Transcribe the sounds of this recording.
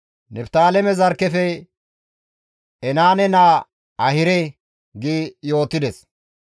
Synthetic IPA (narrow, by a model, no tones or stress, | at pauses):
nɛpt̪aːlɛmɛzɐɾkːɛfɛ | ɛnaːnɛna | ɐhɪɾɛ | ɡiːjo̞ːt̪ːɪd̪ɛs